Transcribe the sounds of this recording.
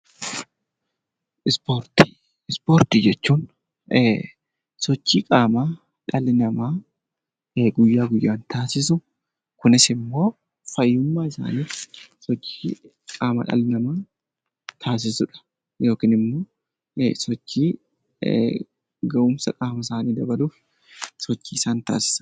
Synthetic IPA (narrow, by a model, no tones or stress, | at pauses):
ʔɪspoɾt̪i̥ | ɪspoːɾt̪id͡ʒɛt͡ʃːuːn | sɔt͡ʃːiːkʼaːma | ᶑɐlɪnɐmaː | ɡʊjːaːɡʊjːaːnt̪aːsɪs̬ʊ | kʊnɪsɪmːo̞ː | fɐjːʊmːaːɪsa̰ːniːfsɔt͡ʃːiː | kʼaːmɐ̰ᶑɐ̰lɪnɐmaː | t̪ʰaːs̬ɪsʊᶑɐ̥ | jo̞ːkiːnɪmːo̞ː | sɔt͡ʃːiː | ɡɐʔʊmsɐkʼaːmɐsaːniːd̪ɐbɐluːf | sɔt͡ʃːiːɪsaːnt̪a̰ːsɪ̥sɐ̥